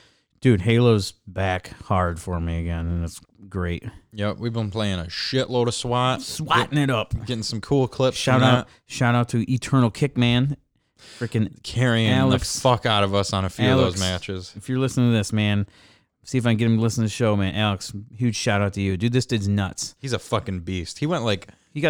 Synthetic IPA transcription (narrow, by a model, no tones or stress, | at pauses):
d̥ʉd̚ɦeɪlˠoʊzbækhɑɹd̥fə˞miɨɡɛ̃nɨ̃næts | ɡ̥ɹeɪt̚jɛp̚wivbə̃npʰl̥eɪɪ̃ŋɨʃɪʔloʊɾə̥swɑt̚swɑʔɪ̃ŋɨɾʌp̚ɡɛɾɪ̃ŋsʌ̃m̩kʰulˠkʰl̥ɪpsʃaʊɾaʊt̚ | ʃaʊɾaʊtʰɨʔɨtʰɜ̃˞nl̩ˠkʰɪk̚mæ̃n | kʰɹ̥ɪkɨ̃nkʰɛɹiɪ̃ælˠəksfʌkaʊɾʌvʌsn̩ɨfilðˠəoʊzkmæt͡ʃɨz̥ɨfjə˞lɪsnɪ̃ŋtʰɨðɪsmæ̃n | siɨfaɪɡɛɾɨ̃mlɪsn̩tʰɨɨʃoʊmæ̃nʔælˠəkshʉd̥ʃaʊɾaʊtʰɨjɨdɨðɪstʰɨznʌtshizəfʌkɨ̃ŋbist̚hiwɛ̃nʔlaɪk | hiɡɑ